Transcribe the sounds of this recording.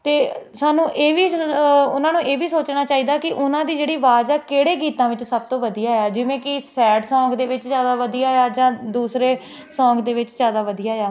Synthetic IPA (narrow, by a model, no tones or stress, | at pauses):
t̪eːsaːnũːʔeːʋiːʊnãːnũːʔeːʋiːsoːt͡ʃnaːt͡ʃaːiːd̪aːkɪʔʊnãːd̪iːd͡ʒeːɽiːʋaːd͡ʒɛːkeːɽeːɡiːt̪ãːʋɪt͡ʃsəb̚t̪õːʋəd̪ijaːeaːd͡ʒɪʋẽːkɪsɛːʈsɔ̃ːŋkd̪eːʋɪt͡ʃzjaːd̪aːʋəd̪ijaːeaːd͡ʒãːd̪uːsɾeː | sɔ̃ːkd̪eːʋɪt͡ʃzjaːd̪aːʋəd̪ijaːɦaː